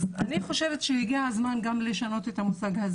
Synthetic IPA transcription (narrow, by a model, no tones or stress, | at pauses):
aniχo̞ʃe̞vetʃehiɡiazmanɡamle̞ʃano̞te̞thamusaɡhaz